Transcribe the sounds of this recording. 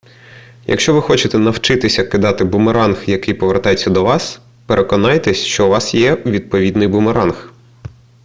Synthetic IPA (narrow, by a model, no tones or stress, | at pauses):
jʔɐ̰kʃt͡ʃɔʋɪxɔt͡ʃɪt̪ɛnɐwt͡ʃɪt̪ɪsʲɐkɪd̪ɑt̪ɪbʊmeɾɑnxjɐkɪjpɔʋert̪ɑjet͡sʲːɐd̪ɔʋɑs | peɾʔekɔnɑjt̪ɛsʲʃt͡ʃɔuʋɑsjɛʋʲid̪̚pɔʋʲid̪nɪjbʊmeɾɑnx